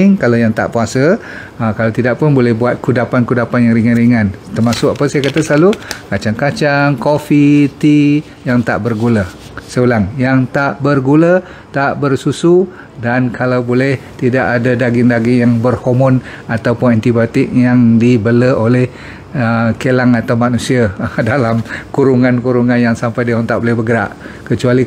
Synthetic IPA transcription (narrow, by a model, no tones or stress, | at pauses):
ŋkalawjaŋt̪a̰ʔpuasə | kalawt̪idaʔpʊnbolɛhbuat̪̚kudapankudapanjaŋriŋanriŋãnt̪ərmasʊkapəsajakat̪asəlalukat͡ʃaŋkat͡ʃaŋkofit̪i | jaŋt̪a̰ʔbərɡula | səulaŋjaŋt̪aʔbərɡulə | t̪aʔbərsusu | dankʰalawbolɛht̪idaʔadadaɡɪŋdaɡɪŋjaŋbərhomɔn | at̪awpʊnant̪ibat̪ɪk̚jaŋdibələʔolɛh | əkelaŋat̪awmanusiadalamkuɾuŋankuɾuŋanjaŋsampajdiɦaŋt̪aʔbolɛhbəɡəɾa̰ʔkət͡ʃuali